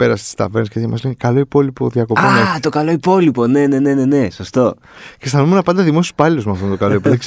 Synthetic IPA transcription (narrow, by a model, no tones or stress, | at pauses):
pe̞ɾɐst̪i̥st̪ɐ̰veɾniskcet̪çemɐslenkɐlo̞ipo̞lipo̞ðiɐko̞onɐet̪o̞kɐlo̞ipo̞lipo̞ne̞ne̞ne̞ne̞ne̞sost̪o̞ | cest̪ɐnumenɐpɐnd̪ɐðimosi̥u̥spɐlilozmeɐft̪ont̪o̞kɐlo̞ipoi